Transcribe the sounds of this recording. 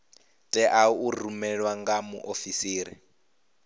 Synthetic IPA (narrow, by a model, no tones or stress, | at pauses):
tʼɛʔauːɾrumɛɺwaŋɡamṵʔofisiːɾi